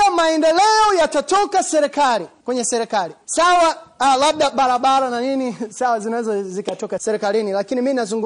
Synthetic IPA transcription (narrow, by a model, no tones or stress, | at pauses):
amaɛndɛlɛɔjatatɔkasɛɾɛkalikwɛɲɛsɛɾɛkalisawalaɓ̚ɗaɓaɾaɓaɾananinisawazinazɔzikatɔkasɛɾɛkalinilakiniminazuŋɡ